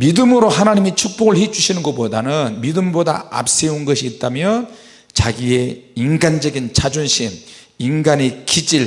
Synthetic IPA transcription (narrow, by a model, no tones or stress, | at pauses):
midɯmɯɾoɦanaɲimit͡ɕʰuk̚p͈oɡɯɭhed͡ʑuɕʰinɯnɡʌpodanɯnmidɯmboda̰a̰p̚s͈e̞unɡʌɕʰiːt̚t͈amjʌ | t͡ɕaɡie̞inɡand͡ʑʌɡint͡ɕʰad͡ʑunɕʰin | inɡanekid͡ʑiɭ